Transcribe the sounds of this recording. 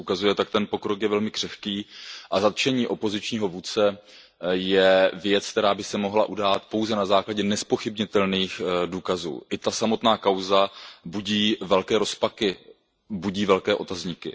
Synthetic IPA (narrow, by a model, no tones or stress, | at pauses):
ukazujɛt̪ak̚t̪ɛnpo̞kɾo̞kjɛvɛlmɪkr̥ɛxkiːʔazat̪t͡ʃɛɲiːʔo̞po̞zɪt͡ʃɲiːɦo̞vuːt͡sɛ | jɛvjɛt͡sk̚t̪ɛɾaːbɪsɛmo̞ɦlaʔudaːt̪po̞wzɛnazaːklaɟɛnɛspo̞xɪbɲɪt̪ɛlniːxduːkazṵːʔɪt̪asamo̞t̪naːkawzabuɟiːvɛlkɛːɾo̞spakɪ | buɟiːvɛlkɛːʔo̞t̪azɲɪkɪ̰